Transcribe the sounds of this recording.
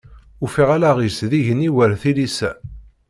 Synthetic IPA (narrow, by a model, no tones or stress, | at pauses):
ufiʁalaʁisðiʝəniwəɾθilisæ̰